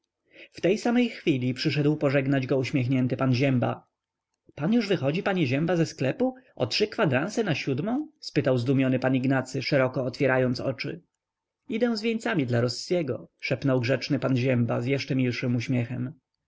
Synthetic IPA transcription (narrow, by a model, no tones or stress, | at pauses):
ft̪ɛjsamɛjxfʲilʲipʂɘʂɛd̪wpɔʐɛɡnad͡ʑɡɔuɕmʲjɛxɲɛnt̪ɘpanʑɛmba̰ | panjuʐvɘxɔd͡ʑipaɲɛʑɛmbazɛsklɛpuɔ̰tʂɘkfad̪ɾansɛnaɕud̪mɔ̃w̃spɘt̪awzd̪umʲjɔnɘpaniɡnat̪sɘʂɛɾɔkɔːt̪fʲjɛɾajɔnt̪sɔ̰t͡ʂɘ̰ | id̪ɛ̃w̃zvʲjeɲt̪samʲid̪laɾɔsjɛɡɔʂɛpnɔwɡʐɛt͡ʂnɘpanʑɛmbazjɛʂt͡ʂɛmʲilʂɘmuɕmʲjɛxɛm